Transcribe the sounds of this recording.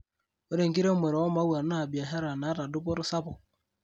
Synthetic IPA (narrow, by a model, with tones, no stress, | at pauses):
o˦ɾe˨ŋɡi˦ɾe˦mɛ˨ɾɔ˨˦ɔ˦ma˦wa˨na˦˨bi˨a˨ɦɛ˦ɾa˨na˨˦ɾa˨dʊ˦pɔ˦ɾɔ˦sa˦pɔ˨